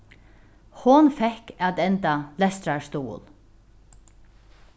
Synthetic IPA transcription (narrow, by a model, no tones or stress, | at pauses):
hʊnfɛhkat̪ɛnt̪alɛst̪ɾaɹst̪ṵːl